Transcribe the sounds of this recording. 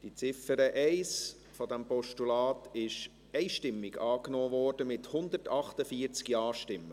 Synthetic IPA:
d̥it͡sɪfəɾəʔɛɪs | fɔdɛmpɔʃtulɑːtɪʃ | ɛɪʃtɪmːɪɡɑːknoːʋɔːɾd̥əmɪthʊnd̪əɾtɑχtəfiəɾt͡skjɑːʃtɪmːə

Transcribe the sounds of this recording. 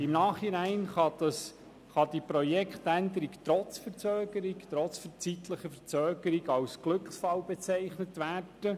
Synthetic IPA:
ɪmnɑːχhinæɪnχɑd̥̪ɑs | χɑd̥ipɾɔjɛkχt̪ænd̪əɾikt̪ɾɔt͡sfəɾt͡søːɡəɾikt̪ɾɔt͡sfəɾt͡sit̪ləχəfət͡sœːɡəɾiɡɑwsɡ̥lɵkχsfɑwbɛt͡sæɪχnətʋæːrd̥ə

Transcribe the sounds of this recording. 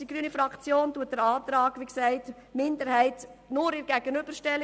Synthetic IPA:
iɡɾyːnifɾɑkt͡sjoːntuːət̚d̥əɾɑːt̪ɾɑːkʋiksæɪt | mɪndəɾhæɪtnʊɾɪɾɡæɡ̥ənʏb̥əɾʃtɛl

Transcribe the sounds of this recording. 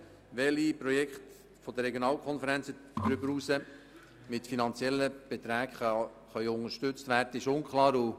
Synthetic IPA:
ʋɛlipɾojɛkχt | fɔd̪ərɾːɛɡjonɑːlkʰɔnfəɾɛnt͡səd̥̪ɾʏbəɾusə | mɪt̪finɑnt͡sjɛlːəb̥et̪ɾæːkχ | χœʏʊŋəʃtʏt͡st̪ʋæːrdəɪʃʊŋkχlɑːɾu

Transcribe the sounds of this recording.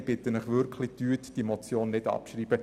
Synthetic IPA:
b̥ɪt̪ənəχʋʏɾkʰlɪtyətd̥imɔt͡sjoːnːɪdɑ̰pʃriːbə

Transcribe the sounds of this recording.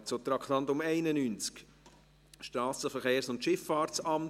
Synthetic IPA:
t͡sot̪ɾɑkʰt̪ɑnt̪ʊmɛɪnənyːnt͡sk | ʃtɾɑːsəfəɾχeːɾsʊnt̪ʃɪfːɑːɾt͡sɑm

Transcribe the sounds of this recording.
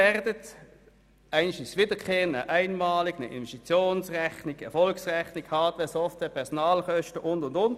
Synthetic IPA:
ɛʁdət | ʔaɪənçisʋɪːdəkʰχeːənə̰ʔaɪnmɑːlɪknəʔḭnvɛstit͡sjoːnsʁɛxnɪkɛɐfɔlksʁɛçnɪkhɑːtʋeːɐsɔftvɛːɐpʰɛʁsɔnaːlχœʃtəʔʊndʊndʊnt

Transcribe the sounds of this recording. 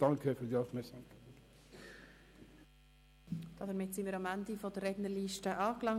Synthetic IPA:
d̥aŋkʰəfyːɾd̪iːafmɛsoŋ | d̥ɑdəɾmɪtsiməːɾɑmændifɔdərɛdnəɾliːʃtəʔɑːklɑŋ

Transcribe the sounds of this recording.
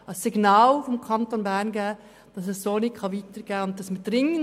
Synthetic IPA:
ɑsːɪɡnɑːlfɔmkʰɑntonbæɾnɡɛː | d̥ɑsɛsːoːnɪkχɑʋiːtəɾɡ̥ɛːʊnt̚tɑsmɪd̥ɾɪŋən

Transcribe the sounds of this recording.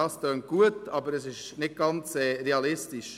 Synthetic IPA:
ɑstøːnt̚ɡ̥uətɑːbəɾɛsɪʃnɪt̚ɡ̥ɑnt͡sɛɾeɑlɪstɪʃ

